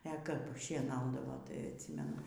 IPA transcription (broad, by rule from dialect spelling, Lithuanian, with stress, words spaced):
ɛ kɐp ʃʲiɛˈnɐʊdɐʋoː tɐɪ ɐtʲˈsʲiːmʲɛnʊ